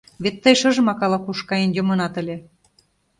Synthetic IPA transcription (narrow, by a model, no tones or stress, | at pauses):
βet̪ːəjʃɤ̆ʒmɑkɑlɑkuʃkɑjenjŏmɤnɑt̪ə̆lʲe